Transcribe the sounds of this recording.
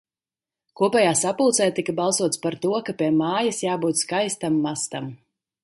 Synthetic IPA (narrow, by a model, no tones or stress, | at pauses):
kuɔpɛjaːsapulˠt̪sɛjt̪ikabɑlˠsuɔt̪spaɾt̪uɔkapʲiɛmaːjasjaːbuːt̪skajst̪amːast̪am